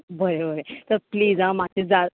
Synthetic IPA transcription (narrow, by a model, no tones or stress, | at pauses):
bəɾebəɾet̪əɾpliːd͡zɦãmaed͡za